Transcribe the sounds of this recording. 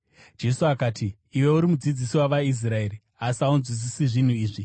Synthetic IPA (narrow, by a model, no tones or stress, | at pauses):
d͡ʒe̞suakaːtʰiː | we̞uɾimud͡zid͡zisiwaʋais̬rae̞ːri | asiaunzwid͡zisiʐin̤uiːʐi